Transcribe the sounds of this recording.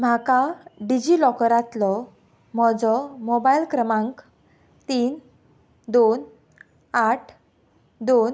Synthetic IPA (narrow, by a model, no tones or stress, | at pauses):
m̤akaɖid͡ʑilɔkəɾat̪lɔ | m̤ɔd͡zɔmobailkɾəmãŋk | t̪iːn | d̪on | aʈʰ | d̪on